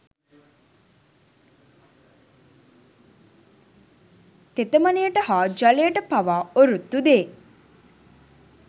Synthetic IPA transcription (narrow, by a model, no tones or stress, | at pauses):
t̪et̪əmɐnejəʈəhaːd͡ʒɐlejəʈəpaʋaːoɾut̪ːud̪eː